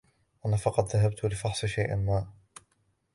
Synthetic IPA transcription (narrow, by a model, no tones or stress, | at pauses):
ʔanafɑqɑt̪ˤðaɦab̚t̪lɪfɑħsˤɨʃajʔɪ̰nmaː